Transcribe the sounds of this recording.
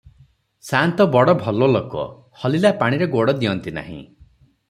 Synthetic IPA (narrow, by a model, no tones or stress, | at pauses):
sant̪ɔbɔɽɔbʱɔlolokɔ̰ | hɔlilapaɽ̃iɾeɡoɽɔd̪iɔnt̪ina̰ɦḭ̃